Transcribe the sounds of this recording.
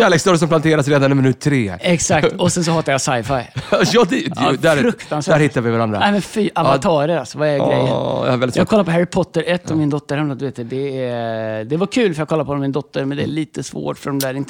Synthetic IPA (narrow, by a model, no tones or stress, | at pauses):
æːleksd̪ɔːɾs̬ɔmplant̪ʰeːɾasɾeːd̪anɪmɪnʉ̟t̪ʰːɾeːɛksak̪̚ɔsɛns̬ɔhɑːt̪ːaɾjasajfajjɑd̪d̪æɾfɾɵkt̪ansvææɾhɪt̪ːaɾvɪvaɾand̪ɾa̰nɛmɛnfiːʔavanʰɑːɾəɾalsɔvaɛɾɡɾɛ̰jːənj̰avɛlːɪjɑːɡkʰɔlːaɾpɔɦæɾɪpʰɔt̪ːəɾɛt̪ːɔvmɪnd̪ɔt̪ːəɾhɛmnɔd̪ʉveːt̪d̪d̪ɛæd̪ɛvaɾkʰʉ̟ːlfœjɑɡkɔlːaɾpɔɔnɔmɪnd̪ɔt̪ːəɾmɛnd̪ɛæɭiːt̪əsvo̰ːʈfœɖɔmd̪æːɾɪnt̪ːə